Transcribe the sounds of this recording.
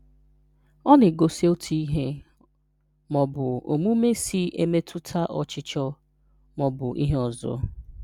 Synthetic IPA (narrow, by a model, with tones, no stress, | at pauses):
ɔ˦nɪ˨ɡo˨si˦o˦tʰi˦i˦ɦe˦ | mɔ˨bʊ˨o˨mu˦me˦si˦ʔe˦me˦tʰʊ˦tʰa˦ʔɔ˨t͡ʃɪ˦t͡ʃɔ˦ | mɔ˨bʊ˨ʔi˦ɦe˦ɔ˨zɔ̰˦